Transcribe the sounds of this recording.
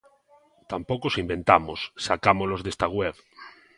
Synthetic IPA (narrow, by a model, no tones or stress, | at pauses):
t̪ampokosimbẽ̞nt̪amosːakamolozðest̪aɣweβ